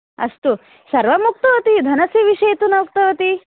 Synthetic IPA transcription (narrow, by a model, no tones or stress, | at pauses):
ɐ̰ʂʈu | sɐɾʋɐmuk̚t̪ɐʋɐt̪id̪ʱɐnɐsiʋiʂejt̪unɐuk̚t̪ɐʋɐt̪i